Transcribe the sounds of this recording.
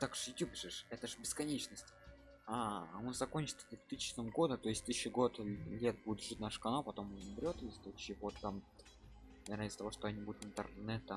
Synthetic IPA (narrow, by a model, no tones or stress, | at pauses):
t̪akʂjʊtʲjupʂɨʂɛt̪əʐɨbʲɪskɐnʲet͡ɕnəsʲtʲ | aonzɐko̞nʲt͡ɕɪ̥t̪səd̪ʊvt̪ɨsʲɪt͡ɕnəmɡo̞d̪ət̪o̞jɪsʲt̪ɨɕəɡo̞t̪lʲet̪̚budʲɪt̪ʐɨtʲnaʂɨ̥kɐnopɐt̪o̞mnʲnbʲɾʲo̞t̪sʲt̪otɕiɡot̪ːamʲ | ɾazʲt̪st̪ɐvo̞ʂt̪oɐnʲibud̪ʊt̪ɨnt̪ɨ̰rnɛt̪ə